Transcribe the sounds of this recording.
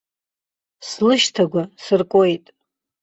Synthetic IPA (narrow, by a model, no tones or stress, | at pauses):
slɨʃtʰaɡʷasɨrkʼojtʼ